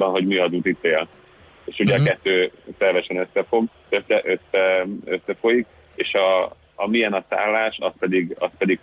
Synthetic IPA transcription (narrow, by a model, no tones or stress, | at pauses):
bɒnɦo̞ɟmiɒd̪ut̪it̪eːl | eːʃuɟɛɒkɛt̪ːøːsɛrvɛʃɛnø̞sːɛfo̞ɡ | øsɛʔøsːɛøsːɛfo̞jik | eːʃɒː | mijɛnɒsa̰ːlːaːʃɒspɛd̪iɡɒspɛd̪iɡ